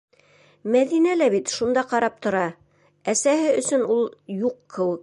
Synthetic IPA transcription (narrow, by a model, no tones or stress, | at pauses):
mæðinælæβit̪ʃund̪ɑqɑɾɑp̚t̪ŏɾɑ | æsæhɘɵ̆sɵ̆nulˠjuqːɘwɘ̆k